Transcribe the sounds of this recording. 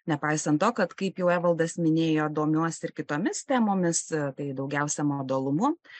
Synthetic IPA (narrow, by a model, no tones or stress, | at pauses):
nʲɛpɐɪsɐnt̪t̪oːkɐt̪kɐɪpjɛʊæːʋɐlˠd̪ɐsmʲɪnʲeːjoːd̪oːmʲuɔsɪɾkʲɪt̪oːmʲɪst̪ʲæːmoːmʲɪst̪ɐɪd̪ɐʊɡʲɛʊsʲɛmod̪oːlˠʊmʊ